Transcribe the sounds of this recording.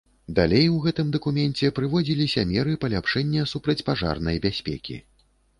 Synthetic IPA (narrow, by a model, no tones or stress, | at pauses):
d̪alʲejwɣɛt̪ɨmd̪ɐkumʲɛnt͡sʲɛpɾɨvɔd͡zʲilʲisʲɐmʲɛɾɨpɐlʲapʂɛnʲːɐsupɾɐt͡sʲpaʐa̰rnɐjbʲasʲpʲɛ̰kʲḭ